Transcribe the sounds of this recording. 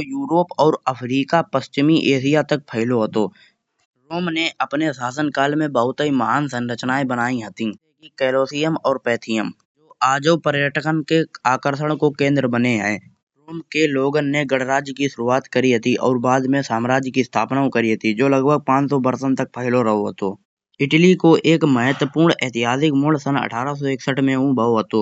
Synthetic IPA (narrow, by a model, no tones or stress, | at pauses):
ojuːɾoːpɔːɾəpʰɾiːkapəst͡ʃɪmiʔeːsijat̪ək̚pʰəɦɪloɦət̪oː | ɾoːmneɐpnesaːsənkaːlmẽbəɦʊt̪əiməɦaːnsə̃nɾət͡ʃnaːebənaːĩɦət̪ĩ | kikɛːloːsijəmɔːɾpɛːt̪ʰɪjəm | d͡ʒoːʔaːd͡ʒəwpəɾjəʈʰəkənkeaːkəɾsəɽ̃kokẽːnd̪ɾəbəneɦɛ̃ː | ɾoːmkeloːɡənːeɡəɽɾaːd͡ʒjkiʃʊɾuaːt̪kəɾiɦɐt̪iʔɔːɾbaːd̪mẽsaːmɾaːd͡ʒjkist̪ʰaːpnaːõkəɾiɦət̪id͡ʒoːləɡbʱəɡ̚pãːt͡ʃsɔbəɾsənt̪ək̚pəɦɪloɾəɦoɦə̰t̪oː | ɪʈlikoʔeːkməɦət̪wəpuːɾɳɛːt̪ɪɦaːzɪkmʊɭ̤sənə̰ʈʰaːɾas̬ɔeːksəʈʰmẽũbəɦoɦət̪oː